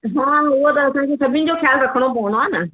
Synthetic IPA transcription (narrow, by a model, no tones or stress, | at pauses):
ɦãːʊɦot̪ɐɐsãkʰesɐbʱɪnɪ̆d͡ʑoxjaːlɾɐkʰəɽ̃opɐʋə̃nd̪oaːnɐ